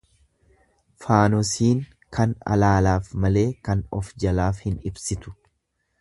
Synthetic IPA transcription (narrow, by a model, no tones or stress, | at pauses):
faːnɔsiːŋ | kɐnɐ̰laːlaːfmɐle̞ːkɐnɔfd͡ʒɐlaːfhɪnɪbsɪt̪ʊ̥